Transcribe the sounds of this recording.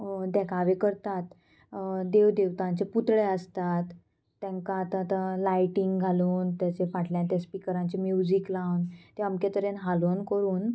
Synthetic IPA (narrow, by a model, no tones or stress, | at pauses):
d̪ɛkʰaʋekəɾt̪at̪ | d̪eʋd̪eʋt̪ãɲt͡ɕeput̪ɭeəst̪at̪ː | ẽŋkaːt̪ãt̪ãlajʈiŋɡɡʱaluːnt̪jat͡ɕefaʈʰljãt̪espikəɾãɲt͡ɕemjud͡ʑiklawnt̪eamket̪əɾenɦalonkəɾuːn